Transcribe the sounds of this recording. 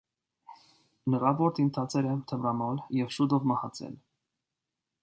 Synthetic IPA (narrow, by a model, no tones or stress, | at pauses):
nəʁɑvɔɾt̪ʰint̪ʰɑt͡sʰɛɾɛt̪ʰəvrɑmɔljɛvʃud̪ɔvmɑhɑt͡sʰɛ̰l